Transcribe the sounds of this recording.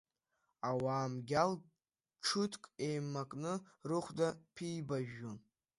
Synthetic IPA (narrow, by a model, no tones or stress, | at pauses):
awaːmɡʲal | ʈ͡ʂʰʊtʰkʼe̞jmːakʼnɨrɨχʷdapʰiːbaʒᶣːon